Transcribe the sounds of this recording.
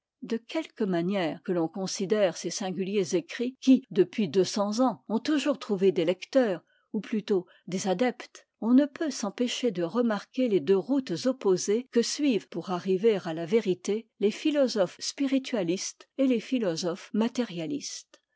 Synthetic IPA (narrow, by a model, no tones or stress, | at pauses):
d̪əkʰʲɛlkəmanjɛːʁkəlɔ̃kɔ̃sid̪ɛːʁsesɛ̃ɡʲyljezekχikʲid̪əpɥid̪øsɑ̃zɑ̃ɔ̃t̪uʒuʁt̪χuved̪elɛkt̪œːʁ | uplyt̪o | d̪ezad̪ɛpt̪ | ɔ̃nəpøsɑ̃peʃed̪əʁəmaʁkʲeled̪øʁut̪zɔpozekəsɥivpuʁaʁiveʁalaveʁit̪elefilɔzɔfspiʁit̪ʰɥalist̪elefilɔzɔfmat̪ɛʁjalist̪